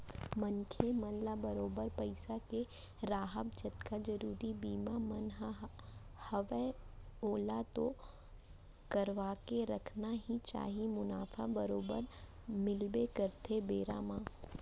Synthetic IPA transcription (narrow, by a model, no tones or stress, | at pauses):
mənkʰemənlabɐɾoːbəɾpɐɪsake | ɾaːɦəb̚d͡ʒɐt̪kad͡ʒɐɾuːɾibiːmamɐnɦ | hɐʋeoːlat̪o | kɐɾʋaːkeɾɐkʰnaɦit͡ʃa̰ːɦimʊnaːfʰabɐɾoːbə̰ɾ | mɪlbekɐɾt̪ebeːɾa̰ːmãː